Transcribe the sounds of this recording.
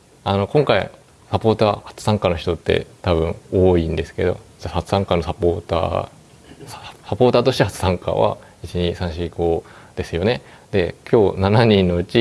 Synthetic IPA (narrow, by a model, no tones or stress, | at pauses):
ano̞kõ̞ŋkaḭ | sapo̞ːt̪aːhḁt͡sɨ̥sãŋkano̞çi̥t̪o̞t̪ːe̞̰t̪aβɯ̟̃ɴoːĩnd̪e̞sɨ̥ke̞d̪o̞̰d͡ʑahat͡sɨ̥sãŋkano̞sapoːt̪a̰ː | sapo̞ːt̪aːt̪o̞ɕi̥t̪ehat͡sɨ̥sãŋka̰βa̰ | it͡ɕiɲisãɰ̃ɕiiko̞ːd̪̥e̞sɨjo̞ne̞d̪e̞kʲʰo̞ːnanaɲ̟ĩnːo̞ɯ̟t͡ɕi